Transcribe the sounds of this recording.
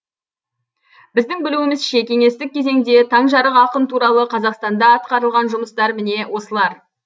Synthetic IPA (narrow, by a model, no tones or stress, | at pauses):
bɪzd̪ɪŋbɪluɪmɪzʃe̞kʲe̞ŋe̞st̪ɪk̚ʲʰːe̞ze̞ŋd̪e̞t̪ʰɑɴʒɑɾəqɑqənt̪ʰuɾɑlˠəqʰɑzɑqst̪ɑnd̪ɑːt̪̚qɑɾəlˠʁɑnʒʊməst̪ɑɾmɪne̞wo̞səlˠɑɾ